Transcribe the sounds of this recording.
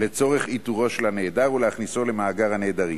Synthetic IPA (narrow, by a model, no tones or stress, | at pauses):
le̞t͡so̞ʁeχit̪uʁo̞ʃelane̞ːdaʁulehaχniso̞le̞maːɡaʁhaneːd̪aʁi